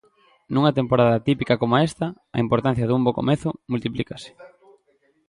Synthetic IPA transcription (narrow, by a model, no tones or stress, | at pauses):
nuŋɐt̪empoɾaðɐt̪ipikɐkomoaɛst̪ɐ | ɐ̰impoɾt̪an̟θjɐðumboko̰meθʊmult̪iplikasɪ̥